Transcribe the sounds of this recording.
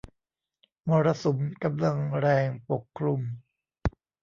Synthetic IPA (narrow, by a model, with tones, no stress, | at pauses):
mɔː˧ɾa˧so˩˦mka˧mla˧ŋɾɛː˧ŋpo˨˩kʰːɾu˧m